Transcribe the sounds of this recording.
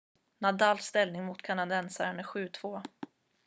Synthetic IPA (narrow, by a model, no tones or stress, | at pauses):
nad̪aːlst̪ɛlnɪŋmʊt̪kʰanad̪ɛnsaɾɳəɧʉ̟ːt̪ʰv̥oː